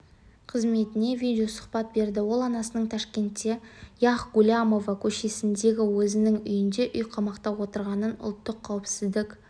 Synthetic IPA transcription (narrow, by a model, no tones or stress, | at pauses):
qʰəzme̞t̪ɪne̞vʲijd̪ʲeosʊ̥χpɑt̪̚be̞ɾd̪ɪwo̞lˠɑnɑsənəɴt̪ʰɑʃkʲe̞nt̪ːe̞jɑχɡulʲamo̞vakʲʰɵʃe̞sɪnd̪e̞ɡʲɪwɵzɪnɪŋʏjɪnd̪e̞ʔʏjqʰɑmɑqt̪ɑwwo̞t̪əɾʁɑnənʊ̰lˠt̪ːəqʰːɑwɪpsɪzd̪ɪkʲ